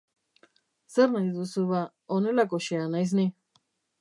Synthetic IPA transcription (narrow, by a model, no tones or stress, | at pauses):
seɾnãd̪id̪usuβa | onelakoʃeanajs̬nĩ